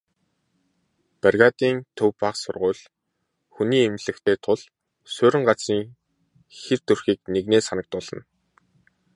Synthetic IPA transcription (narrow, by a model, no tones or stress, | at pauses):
pærɣaːt̪iːnt̪ʰɵwpaχsʊ̰rʁʊːɮ | xuniːemɮɘ̆kt̪ʰeːt̪ʰʊɮ̥ | sʊːɾɪ̆ɴɢat͡siːŋ | xert̪ɵrxiːkneɣneːsanə̆k̚t̪ʊɮ̥ə̆n